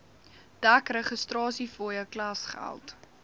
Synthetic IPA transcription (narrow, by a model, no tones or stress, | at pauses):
d̥ækrəχəstrɑːsifoːjəklɐsχæ̰lˠt